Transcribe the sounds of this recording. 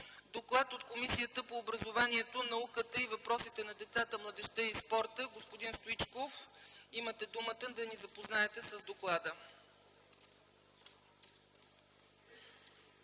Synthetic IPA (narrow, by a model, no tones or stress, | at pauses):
d̪oklˠat̪ot̪komisijət̪əpoːbɾəzovaniɛt̪onɐukət̪əivɐpɾɔsit̪ɛnɐd̪ɛt̪sat̪əmlˠɐd̪ɛʃt̪ɛispɔɾt̪əɡospod̪inst̪oit͡ʃkofimət̪ɛd̪umət̪əd̪ɐnizɐpoznaɛt̪ɛsəzd̪oklˠad̪ə